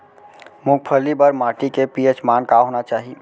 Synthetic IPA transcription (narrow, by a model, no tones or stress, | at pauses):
muk̚pʰəlibəɾmaːʈikepiet͡ʃmaːnkaɦoːnat͡ʃaːɦi